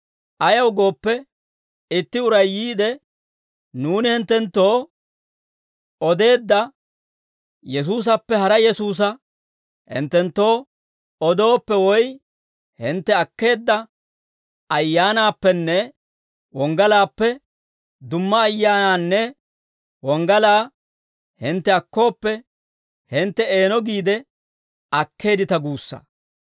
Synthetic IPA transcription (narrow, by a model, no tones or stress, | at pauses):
ʔɐjɐwɡo̞ːpːɛ | ɪt̪ːɪʊɾɐjːiːd̪ɛ | nuːnɪhɪnt̪ːɛnt̪ːo̞ː | ɔd̪e̞ːd̪ːɐ | jɛs̬uːs̬ɐpːɛhɐɾɐjɛsuːs̬ɐ | hɪ̰nt̪ːɛnt̪ːo̞ː | ɔd̪o̞ːpːɛwɔj | hɪnt̪ːɛɐkːe̞ːd̪ːɐ | ɐjːaːnaːpːɛnːɛ | wɔŋɡɐlaːpːɛ | d̪ʊmːɐːjːaːnaːnːɛ | wɔŋɡɐlaː | hɪnt̪ːɛɐkːo̞ːpːɛ | hɪnt̪ːɛe̞ːnɔɡiːd̪ɛ | ɐkʰːe̞ːd̪ɪt̪ɐɡuːsːɐ̰